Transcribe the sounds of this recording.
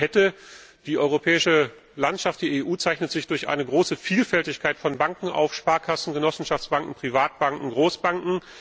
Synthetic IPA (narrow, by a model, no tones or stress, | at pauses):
hɛtəd̥iːʔɔʏʁopʰɛːɪʃə | lantʃaft̚d̥iːeːʔuːt͡saɪçnətz̥ɪçd̥ʊɐçʔa̰ɪnəɡʁoːsəfiːlfɛltɪçkʰaɪtfɔnbaŋkŋ̩ʔa̰ʊfʃpaːɐkʰasn̩ɡənɔsn̩ʃaft͡ssb̥aŋkŋ̩pʁ̥ivaːt̚b̥aŋkŋ̩ɡʁoːsb̥aŋkŋ̩